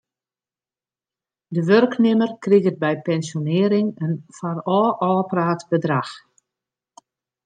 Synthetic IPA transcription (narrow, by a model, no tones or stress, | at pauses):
dəʋørknɪmərkriɣət̚bɛjpɛnsjonɪəɾɪŋənfarɔːʔɔːpraːtbədrax